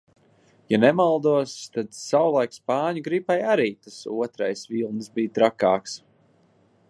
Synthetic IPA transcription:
janɛmalˠd̪uɔst̪ad̪sawlˠajkspaːɲuɡɾipajaɾiːt̪asuɔt̪ɾajsvilˠnɨsbijt̪ɾakaːks

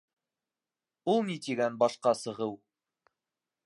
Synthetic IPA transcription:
ulˠnit̪iɡænbɑʃqɑsɤ̆ʁɤw

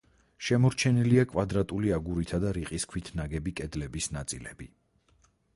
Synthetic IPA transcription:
ʃɛmɔɾt͡ʃʰɛniliakʼvad̪ɾat̪ʼuliaɡuɾit̪ʰad̪aɾiqʼiskʰwit̪ʰnaɡɛbikʼɛd̪lɛbisnat̪sʼḭlɛbi

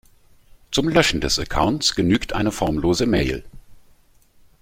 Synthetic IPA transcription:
t͡sʊmlœʃn̩dɛsɛkʰa̰ʊntt͡sɡ̥ənyːktʔaɪnəfɔɐmloːzəmeɪl

